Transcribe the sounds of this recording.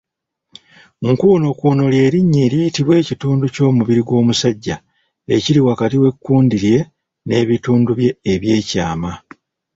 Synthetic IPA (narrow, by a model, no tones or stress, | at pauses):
ŋkuːno̞kuno̞lje̞ːɾiɲːeɾijitiβwe̞ːcituːnduco̞ːmuβiɾiɡwo̞ːmusaɟːa | eciɾiwakatiwe̞kːuːndiɾje̞ | ne̞ːβituːnduβje̞ːβje̞ːcaːma